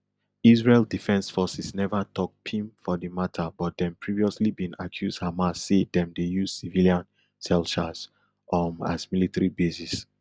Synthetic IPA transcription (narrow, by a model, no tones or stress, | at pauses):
isɹeldifɛ̃nsfɔsisnɛvatʰɔk̚pʰĩmfɔdimatʰabɔt̚dɛ̃mpʰɹiviɔslibĩnakʰjuzdhamasːedɛ̃mdejuz̥siviliãn | sɛlʃas | ɔma̰zmilitaɹibesis